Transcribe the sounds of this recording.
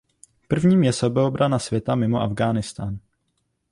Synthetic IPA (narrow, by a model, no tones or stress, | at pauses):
pr̩vɲiːmjɛsobɛobɾanasvjɛt̪amɪmo̞ʔavɡaːnɪst̪aːn